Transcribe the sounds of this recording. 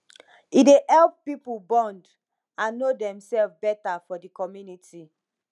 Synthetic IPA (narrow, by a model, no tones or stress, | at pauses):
idehɛlp̚ːipulbɔ̃nd | ãnːodɛ̃msɛlfbɛtafɔdikɔmjuniti